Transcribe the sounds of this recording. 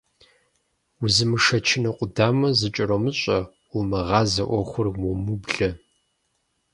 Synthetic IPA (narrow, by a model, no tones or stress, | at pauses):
ʊzɨmɨʂɐt͡ʃʰɪnɐqʷʼʊdaːmɐzɨt͡ʃʼɾomɨɕʼɐ | umɐʁɑːzɐʔʷɔχʷʊrwʊmubɮɐ